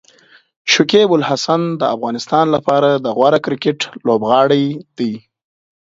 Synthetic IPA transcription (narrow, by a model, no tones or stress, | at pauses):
ʃʊkebʊlhasand̪əafɣɑnɪst̪ɑnlapɑɾad̪əɣwaɾakɾɪkɪʈlobɣɑɽəjd̪ij